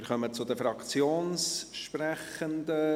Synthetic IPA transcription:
ɪɾχœmət͡sʊd̪əfɾɑkt͡sjoːnsʃpɾæχənd̪ə

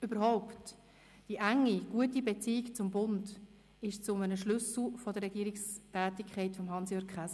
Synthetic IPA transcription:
ybəɾhɔʊpt | d̥iʔæŋːiɡ̥uətibet͡siːkt͡sʊmbʊnd | ɪʃt͡sʊmənəʃlʏsl̩fɔdəɾrːɛɡiːɾikstæːtikʰχɛɪtfɔmɦɑnsjøkχas

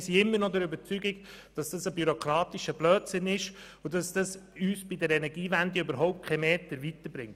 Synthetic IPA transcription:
siɪmːəɾnɔdɛɾøbəɾt͡syɡiɡ | d̥ɑsd̥ɑsəbyɾokʰɾɑːtiʃəb̥lœːt͡sənɪʃ | ʊdɑsd̥ɑsyːsb̥idɛɾɛnɛɡiːvændiøbəɾɦɔʊp̚t̚kʰɛmeːtəɾvit̪əɾbɾɪŋt

